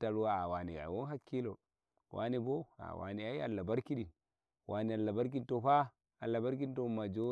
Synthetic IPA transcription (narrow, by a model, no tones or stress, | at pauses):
taɾuwaawanḭa̰woɦakːilo | wʔa̰niboa̰wa̰niaja̰lːabaɾkiɗin | wʔanialːabaɾk̬intofa | alːabaɾk̬intomad͡ʒo